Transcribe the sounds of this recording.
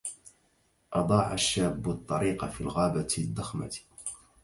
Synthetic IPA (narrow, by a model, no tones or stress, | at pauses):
ʔɑd̪ˤɑːʕaʃːaːbːʊt̪ˤːɑɾiːqɑfiːlɣaːbad̪ːɑxma̰t̪